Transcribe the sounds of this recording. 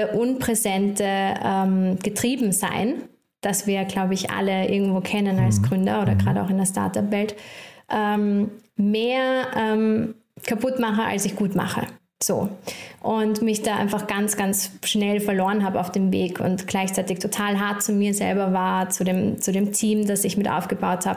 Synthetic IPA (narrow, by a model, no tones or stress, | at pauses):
ʔʊnpʁ̥ɛzɛntəʔɛːmɡ̥ətʁ̥iːbm̩za̰ɪn | d̥asv̥iːɐɡlaʊbəɪçʔa̰ləʔɪ̰ɐɡŋ̩tv̥oːkʰɛnənalsɡ̥ʁʏndɐoːɾɐɡʁaːɾəa̰ʊxɪndeɐsta̰ɐtapvɛltʔɛːmmːeːɐʔɛːm | kʰapʰʊtmaχəʔa̰lsɪçɡ̥uːtma̰χə̰ | z̥o̰ːʔʊntmɪçd̥aːʔa̰ɪnfaχɡ̥ansɡ̥ansʃnɛlfɛɐloːʁənɦaːbaʊfd̥eːmvḛːkʰʊ̰ntɡ̥laɪçt͡saɪtɪçtʰotʰaːlɦaɐt̚t͡sʊmiːɐzɛ̰lbɐvaːɐt͡sudeːmt͡sudeːmtʰiːmdasɪçmɪtʔa̰ʊfɡ̥əbaʊthaːb̥ə